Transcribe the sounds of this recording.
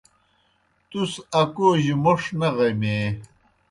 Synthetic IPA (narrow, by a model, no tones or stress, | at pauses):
t̪usɐkoʑumoʂnɐʁɐmeː